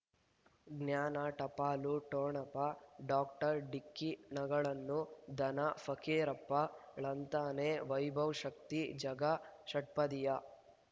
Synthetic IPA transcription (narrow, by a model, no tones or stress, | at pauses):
ɡnjaːnɐʈɐpaːluʈoːɳɐpɐɖaːkʈɐɾɖikːinɐɡɐɭɐnːud̪ʱɐnɐfʰɐkeːɾɐpːɐɭɐnt̪aːneʋɐjbʱɐwʃɐkt̪id͡ʒɐɡɐʃɐʈ̚pɐd̪ijɐ